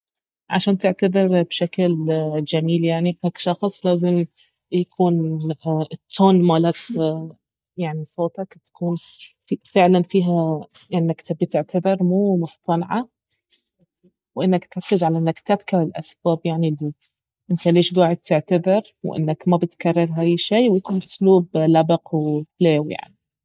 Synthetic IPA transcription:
ʕa̰ʃaːnt̪ɪʕt̪ad̪ˤɪɾbʃakld͡ʒamiːljaʕnihaːkʃɑxsˤlaːzɪm | jakʰuːn | t̪ʰːoːnmaːlaːt̪ | jaʕnisˤoːt̪ɑkt̪ḁkuːn | fifɪʕlanfiːɦa | ʔɪnːakt̪abit̪ɪʕt̪ʰad̪ɪɾmuːmʊst̪ˤɑnʕa | wʔɪnːakt̪ʕˤɑkːɪzʕalaʔɪnːakt̪afkaɾɪlʔasb̥aːbjaʕnili | ʔɪnt̪aleːʃɡaːʕɪd̪̚t̪ɪʕt̪aðɪɾ | wʔɪ̰nːakmabɪt̪karˤːɑɾɦaːjʃiːwjakuːnʔʊsluːblabɑqwɪfleːwja̰ʕni

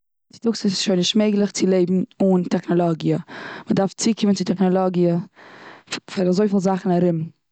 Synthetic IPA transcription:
t͡sɪ̥tʊksəsɪ̥sʃoɪnɪʃtmeɪɡlˠɪχt͡sɪlˠeɪbm̩ʊntɛχnɔlˠɔɡjəmədaɾft͡sikɪmənt͡sɪtɛχnɔlˠɔɡiə | fɪɾazoɪfɪlˠzaχn̩aɾɪm

